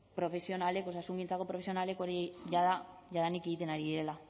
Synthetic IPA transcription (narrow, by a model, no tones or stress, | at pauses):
pɾo̞fe̞sjo̞nale̞ko̞sasuŋɡint͡sako̞pɾofe̞sjo̞nale̞koɾiʝaðaʝaðanikeɣit̪e̞naɾiðiɾe̞la